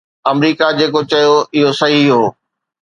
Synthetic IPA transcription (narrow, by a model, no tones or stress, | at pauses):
ɐmɾiːkad͡ʑeːkot͡ɕɐjoɪɦosɐɦiɦoː